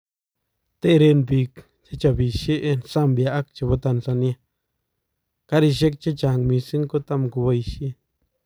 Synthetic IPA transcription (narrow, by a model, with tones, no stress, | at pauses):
t̪e˦ɾe˧nbi˧k | t͡ʃa˦t͡ʃa˧bi˨ʃe˦ʔnsa˦mbja˧˨a˦k̚t͡ʃa˧bo˧t̪a˧nsa˧nja˧ | ka˦ɾi˧ʃe˦k̚t͡ʃa˦t͡ʃa˨ŋmi˧si˦ŋko˦t̪a˦˧mku˧βa˧jʃi˦